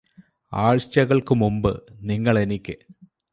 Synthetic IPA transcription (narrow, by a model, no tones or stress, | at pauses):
aːɻt͡ɕɐɣɐɭkɨmumbɨ̰niŋːɐɭe̞nikʲːɨ